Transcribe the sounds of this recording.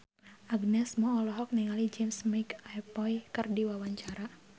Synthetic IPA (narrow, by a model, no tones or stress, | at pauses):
ʔaɡnɛsmɔːlɔɦɔk̚niŋalid͡ʒemsmikajpɔjkərdiwawaɲt͡ʃaɾa